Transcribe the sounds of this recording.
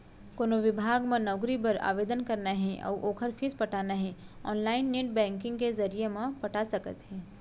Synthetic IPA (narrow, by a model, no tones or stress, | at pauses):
koːnoʋɪbʱaːɡmẽnɔʊɡɾibɐɾa̰ːʋeːd̪ənkɐɾnaɦɛ̃ʔɔ̰ːʔoːkʰəɾfʰispɐʈʰaːnaɦɛ̃ɔːnlaːɪnːeːʈ̚bɛ̃ːŋkɪ̃ŋɡkezɐɾijemẽpɐʈʰasɐkə̰t̪ɦɛ̃ː